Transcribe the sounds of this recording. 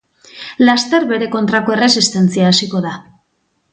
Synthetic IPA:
last̪e̞ɾβe̞ɾe̞ko̞nt̪ɾako̞e̞re̞sist̪e̞nt͡siaːsiko̞ð̞a

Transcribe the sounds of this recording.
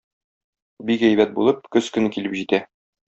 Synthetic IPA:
bikæjbæt̪̚bulˠɤp̚kɵskɵ̆nɘkilɘpʑit̪æ

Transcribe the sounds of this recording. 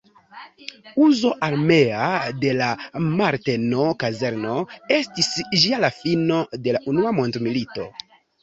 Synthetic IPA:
uzo̞ʔaɾme̞ade̞lamaɾte̞no̞kaze̞ɾno̞e̞stisʒialafino̞de̞laʔunuamo̞ntmilito̞

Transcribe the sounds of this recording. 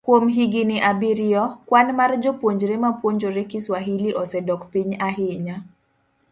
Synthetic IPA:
kwomɦiɡinɪʔabiɾiɔkwanmard͡ʒopwoɲd͡ʒɾemapwoɲd͡ʒoɾekɪswaɦiliʔɔsɛdɔkpiɲaɦɪɲa

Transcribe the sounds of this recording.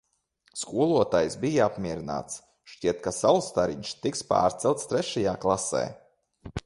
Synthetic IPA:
skuɔlˠuɔt̪ajsbijaapmʲiɛɾina̰ːt̪s | ʃt͡ʃʲiɛt̪̚kasalst̪aɾiɲʃt̪ikspa̰ːɾt̪sɛlˠt̪st̪ɾɛʃajaːklˠasɛ̰ː

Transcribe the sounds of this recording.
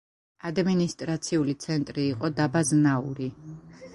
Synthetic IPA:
ad̪minist̪ʼɾat̪sʰiulit̪sʰɛnt̪ʼɾiːqʼɔd̪abaznauɾi

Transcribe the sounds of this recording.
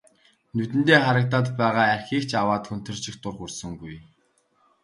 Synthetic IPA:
nut̪ɘ̆nt̪eːχaɾə̆k̚t̪aːt̪pæːʁaːærxiːkt͡ɕawaːt̪xɵn̥t̪ɵ̆rt͡ɕɪ̆xt̪ʊrχursɵ̆ŋɡuj

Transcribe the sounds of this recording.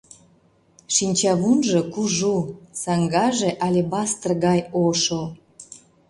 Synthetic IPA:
ʃinʲt͡ɕɑβunʒokuʒusɑŋɡɑʒeʔɑlʲebɑst̪ərɣɑjoʃo

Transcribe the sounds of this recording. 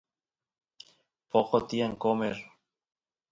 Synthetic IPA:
pokot̪ieŋkomeɾ

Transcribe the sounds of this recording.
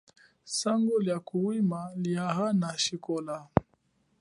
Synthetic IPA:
saŋɡɔljakuwimaliaɦanaʃikɔla

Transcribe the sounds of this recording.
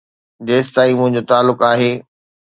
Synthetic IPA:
deːst̪aːimʊ̃ɦɪ̃ɲd͡ʑot̪aːlːʊkaːɦeː

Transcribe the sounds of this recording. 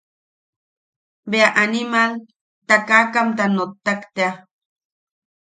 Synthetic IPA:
beaʔanimal | t̪akakamt̪anot̪ːakt̪ea

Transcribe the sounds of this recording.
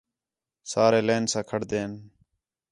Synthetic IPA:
saːɾeːleːnsãːkʰəɽd̪eːn

